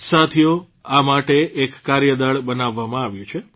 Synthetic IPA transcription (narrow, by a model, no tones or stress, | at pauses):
sat̪ʰijo | amaʈeʔekːaɾjəd̪aɭbənaʋːamãaʋjũt͡ʃʰe